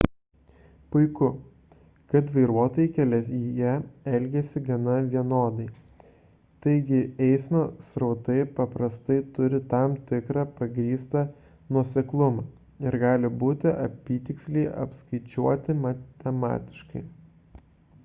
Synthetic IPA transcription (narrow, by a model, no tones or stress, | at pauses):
pʊɪkʊ | kɐt̪ʋɐɪɾuɔt̪oːjɛɪkʲɛlʲɛijɛɛlʲɡʲɛsʲɪɡɐnɐʋʲiɛnoːd̪ɐɪ | t̪ɐɪɡʲɪɛɪsmoːsɾɐʊt̪ɐɪpɐpɾɐst̪ɐɪt̪ʊɾʲɪt̪ɐmt̪ʲɪkɾɑːpɐɡɾʲiːst̪ɐ | nuɔsʲɛklˠʊmɑː | ɪɾɡɑːlʲɪbuːt̪ʲɪʔɐ̰pʲiːt̪ʲɪksʲlʲɛɪʔɐ̰pskɐɪt͡ʃʲuɔt̪ʲɪmɐt̪ʲɛmɑ̰ːt̪ʲɪ̥ʃkɐɪ